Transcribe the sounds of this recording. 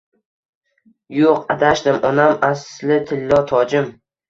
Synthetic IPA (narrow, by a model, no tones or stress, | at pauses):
joqad̪aʃd̪ɪmʔɒnamaslɪt̪ʰɪlːɒt̪ʰɒd͡ʒɪm